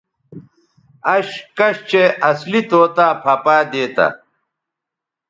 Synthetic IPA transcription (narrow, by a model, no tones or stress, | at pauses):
ɐɕkɐɕt͡ɕʰeɐslit̪oːt̪aːpʰɐpaːd̪eːt̪ɐ̰